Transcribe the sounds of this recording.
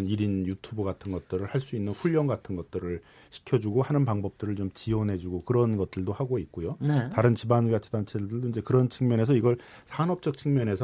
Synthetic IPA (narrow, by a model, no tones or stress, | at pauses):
niɾinjutʰubɯɡatʰɯnɡʌt̚t͈ɯɾɯɭhaɭs͈uinːɯnɸuʎjʌŋɡatʰɯnɡʌt̚t͈ɯɾɯɭ | ɕʰi̥kʰjʌd͡ʑuɡohanɯnpaŋbʌp̚t͈ɯɾɯɭt͡ɕomt͡ɕiʌnɦe̞d͡ʑuɡokɯɾʌnɡʌt̚t͈ɯɭdohaɡoit̚k͈ojonetaɾɯnt͡ɕibanɡat͡ɕʰi̥dant͡ɕʰeddɯɭdoind͡ʑe̞kɯɾʌnt͡ɕʰɯŋmjʌne̞s̬ʰʌiɡʌɭsʰanʌp̚t͡ɕ͈ʌk̚t͡ɕʰɯŋmjʌne̞sʰ